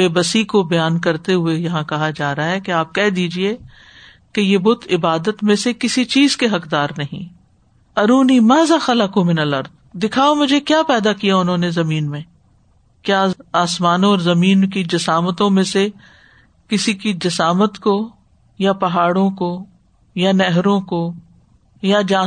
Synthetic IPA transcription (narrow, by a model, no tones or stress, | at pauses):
eːbəsikobɐjaːnkɐɾt̪eɦʊejɐɦãkɐɦad͡ʒaːɾɐaɦɛkeaːp̚kɛɦd̪iːd͡ʒie | kejebʊt̪ʰɪbaːd̪ət̪mẽsekɪsit͡ʃiːzkeɦɐkd̪aːɾnɐɦḭ̃ | ɐɾuːnimaːzaxɐlakõmɪnəlɐɾd̪̚ | d̪ɪkʰaːomʊd͡ʒʱekjaːpɛːd̪akijaʊnɦõːnezɐmiːnmẽ | kjaːaːsmaːnõɔːɾzɐmiːnkid͡ʒɐsaːmət̪õmẽse | kɪsikid͡ʒɐsaːmət̪ko | japɐɦaːɽõko | janɛɦɾõko | jad͡ʒãː